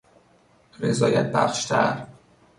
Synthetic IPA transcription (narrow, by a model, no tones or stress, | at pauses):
rezɒːjæt̪̚bæ̰χʃt̪ʰæ̰ɾ